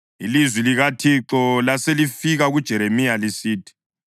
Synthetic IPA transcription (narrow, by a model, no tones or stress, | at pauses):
ilizwiliɣatʰiǁɔlaselifiɣaɣud̥ʒ̥ʱɛɾemijalisiːtʰi̥